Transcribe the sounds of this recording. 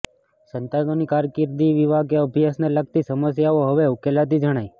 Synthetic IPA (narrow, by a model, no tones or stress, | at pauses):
sənt̪ad̪onikaɾkɪɾd̪iʋiʋaɡeəbʱjasneləɡ̚t̪isəməsjaoɦəʋeukelat̪̬id͡ʒəɽ̃aj